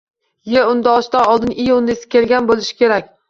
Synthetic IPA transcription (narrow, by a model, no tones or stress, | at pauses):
jeʊnd̪aɒʃt̪aɒlˠd̪ɪnɪjʊnːesɪ̥kʲe̞lɡʲanbolɪʃɪ̥kʲʰe̞ɾakʲ